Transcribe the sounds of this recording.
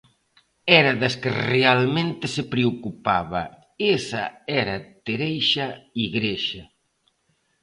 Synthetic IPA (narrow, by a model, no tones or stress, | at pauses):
ɛɾɐðɐskɪrealmẽnt̪ɪsɪpɾeokupaβɐ̰ | esɐ̰ɛɾɐt̪eɾejʃɐiɣɾeʃɐ